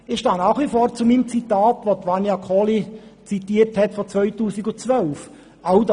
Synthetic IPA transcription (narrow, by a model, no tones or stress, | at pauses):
ɪxʃtɑːnɑːχʋifoːɾt͡sumimt͡sitaːtʋotʋɑnjɑkʰɔlit͡sitiːəɾthɛtfɔt͡sʋœʏtuːsiɡʊt͡sʋœlf | aʊd